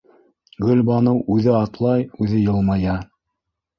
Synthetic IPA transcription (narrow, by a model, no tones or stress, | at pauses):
ɡɵ̆lʲbɑnɤwʔʉðɘɑt̪lˠɑjʉðɘjɤ̆lˠmɑjɑ